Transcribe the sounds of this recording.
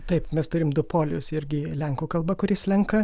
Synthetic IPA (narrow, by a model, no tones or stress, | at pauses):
t̪ɐɪpmʲɛst̪ʊɾʲɪmd̪ʊpoːlʲʊsɪɾʲɡʲɪlʲɛŋkuːkɐlˠbɐkʊɾʲɪslʲɛŋkɐ